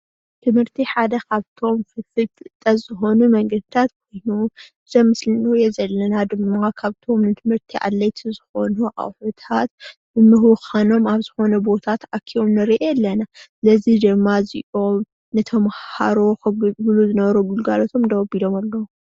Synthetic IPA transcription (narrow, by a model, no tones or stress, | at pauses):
t̪ʰɨmhɨɾt̪ʰiħad̪ɐkʰaβt̪ʰo̞mfɨfɨlt̪ʰɨʔɨt̪ʼːɐzɨxo̞numɐŋɡɐd̪ɨt̪ʰat̪kʰo̞jnu | zɐmɨslɨnɨjezɐlːɐnad̪ɨmːakʰaβt̪ʰo̞mnɨt̪ʰɨmhɨɾt̪ʰiʔa̰lːɐjt̪ʰizɨxo̞nuʔa̰wħut̪ʰat̪ | bɨmɨhwxano̞maβzɨxo̞nɐbo̞t̪ʰat̪ʔakʰːio̞mnɨɾiʔeɛlːɐnasɨlɐzid̪ɨmːaziʔo̞m | nɨt̪ʰɐmha̰ɾoxɨɡluzɨnɐβɐɾoɡulɡalo̞t̪ʰo̞md̪ɐwɐbid̪o̞malːɐwu